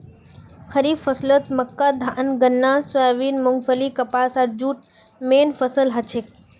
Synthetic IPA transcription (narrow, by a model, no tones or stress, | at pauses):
xɐɾiːbfəslət̪məkːad̪ʱaʔənɡənːãsuaːʋiːnmʊŋɡfəlikɐpaːsaɾd͡ʒuːʈ̚ | meːnfəsəlɦɐt͡ʃʰek